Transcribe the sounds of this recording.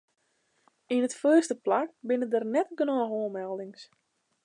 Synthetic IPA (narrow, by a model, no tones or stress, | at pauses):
inətføːəstəplak̚bɪnədərnɛtɡənɔːxuəmɛlˠdɪŋs